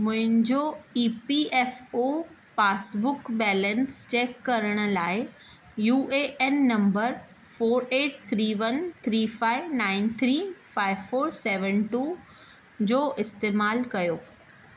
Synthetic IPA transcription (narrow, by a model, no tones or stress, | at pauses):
mʊ̃ɦɪ̃ɲd͡ʑoiːpiʔɛːfo | paːsbʊkbɛːlɛ̃nst͡ɕɛːkːɐɾəɽ̃ʊ̆laːɪ | juːʔeʔɛnːɐ̃mbəɾ | foːɾeːʈ̚t̪ʰɾiːʋɐnt̪ʰɾiːfaːɪʋnãːɪnt̪ʰɾiːfaːɪʋfoːɾsɛːʋə̃nʈuː | d͡ʑoːʔɪst̪eːmaːlkɐjoː